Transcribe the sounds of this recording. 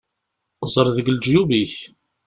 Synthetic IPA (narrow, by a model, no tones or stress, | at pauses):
zˤəɾˤðəɡld͡ʒjubiç